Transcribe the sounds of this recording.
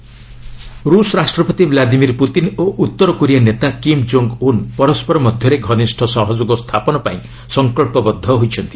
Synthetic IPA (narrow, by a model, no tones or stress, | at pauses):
ɾusɔɾasʈɾɔpɔt̪iblad̪imiɾput̪inoʔut̪ːɔɾɔkuɾianet̪akimd͡ʒoŋɡunpɔɾɔspɔɾɔmɔd̪ʱjɔɾeɡʱɔnisʈʰɔsɔɦɔd͡ʒoɡɔst̪ʰapɔnɔpaĩ | sɔŋkɔɭpɔbɔd̪ʱːɔɦojt͡ʃʰɔnt̪i̥